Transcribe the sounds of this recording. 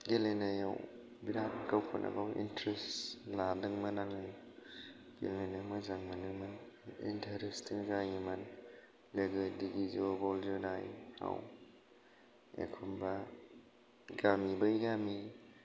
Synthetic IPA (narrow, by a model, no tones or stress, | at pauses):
ɡelenajaw | biɾatnɡawkʰɔnʔa̰ɡawḭntɾestladɯŋmɐnaŋaj | ɡ̥ḛlenamazaŋmanɯŋman | ḭntʰɐɾestiŋzajiman | leɡɯdiɡizobɔld͡ʒɯnajha̰w | ḛkʰɔmba | ɡamibajɡami